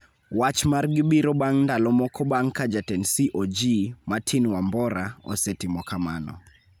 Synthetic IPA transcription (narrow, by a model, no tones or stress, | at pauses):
wat͡ʃmarɡɪbiɾɔɓaŋndalɔmɔkɔɓaŋkad͡ʒatɛnsiʔod͡ʒimatʰinwambɔɾaɔ̰sɛtimɔkama̰nɔ̰